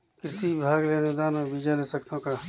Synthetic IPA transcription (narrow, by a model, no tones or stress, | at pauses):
kɪɾsibɪbʱaːɡleːned̪aːnõbiːd͡ʒaleːsəkt̪ʰõka